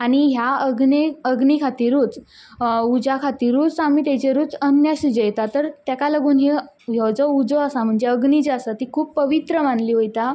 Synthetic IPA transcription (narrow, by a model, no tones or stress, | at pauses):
aɽ̃iɦjaəɡneəɡnikʰat̪iːɾuːt͡s | ud͡zakʰat̪iːɾut͡samit̪jat͡ɕeɾuːt͡sənjaɕid͡ʑəjt̪at̪əɾt̪jakaləɡuːnɦe | ɦjewd͡zɔud͡zoəsam̤əɳd͡zeəɡnit͡ɕeəsat̪ikʰuːppəʋit̪ɾəʋanliːɦojt̪a